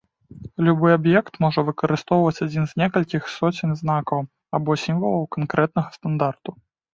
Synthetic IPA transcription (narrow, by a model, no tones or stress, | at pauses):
lʲubɔjabjɛkt̪mɔʐɐvɨkɐɾɨst̪ɔwvɐt͡sʲad͡zʲinzʲnʲɛkɐlʲkʲixsɔt͡sʲɪnʲznakɐw | abɔsʲimvɐlˠɐwkankɾɛt̪̚nɐɣɐst̪and̪art̪u